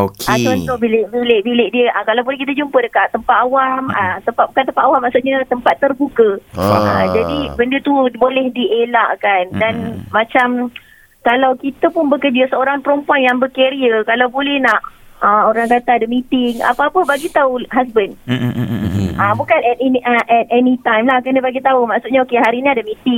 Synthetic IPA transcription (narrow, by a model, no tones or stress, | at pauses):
okat̪ɔnt̪obilɪʔbilɪʔbilɪʔdiəʔəkalawbolɛhkit̪əd͡ʒumpədəkaʔt̪əmpat̪̚awamət̪əmpat̪̚bukant̪əmpat̪awamːaʔsuʔɲət̪əmpat̪ːərbukəəd͡ʒadibəndət̪ubolɛhdiʔelaʔkandanmãt͡ʃam | kalawkit̪əpʊnbəkərd͡ʒəsəoɾaŋpəɾɔmpuanjaŋbəkeɾiəkalawbolɛhnaʔəoɾaŋkat̪adəmit̪ɪŋa̰paːpəbaɡit̪auɦasbən | ʔəbukanɛt̪ɛnʔəʔɛt̪̚ɛnit̪ajmlahkənəbaɡit̪aumaʔsutʔɲəokeɦaɾiniadəmit̪ɪŋ